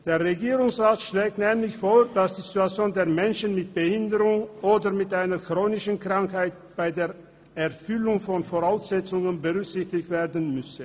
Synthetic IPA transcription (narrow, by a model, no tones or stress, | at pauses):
d̥eːɐʁeɡiːʁʊŋsʁaːtʃlɛːk̚tnɛːmlɪçfoːɐd̥asd̥zːzɪtuat͡sjoːndeːɐmɛnʃənmɪt̚b̥əhɪndəʁʊŋʔoːdɐmɪtʔaɪnɐkʁ̥oːnɪʃənkʁ̥aŋkhaɪt | b̥aɪdeːɐ | ɛɐfʏlʊŋfɔnfoːʁaʊsz̥ɛt͡sʊŋənbəʁʏksɪçtɪçtv̥eːɐdən̩mʏsə